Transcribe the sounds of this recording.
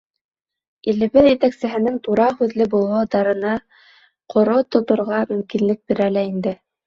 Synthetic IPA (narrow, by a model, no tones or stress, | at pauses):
ilɘ̆βɘðjɘ̆t̪æksɘ̆ɦɘ̆nɘŋt̪uɾɑhʉðlɘbulˠɑwd̪ɑɾɤ̆nɑ | qʰŏɾot̪ŏt̪ŏɾʁɑmɵ̆mkinlɘk̚biɾælæind̪ɘ